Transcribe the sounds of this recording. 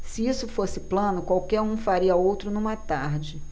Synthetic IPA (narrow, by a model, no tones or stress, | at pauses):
sɪisʊfosɪplɐ̃nʊkwawkɛɾũfaɾiɐowt̪ɾʊnũmɐt̪aɾd͡ʒɪ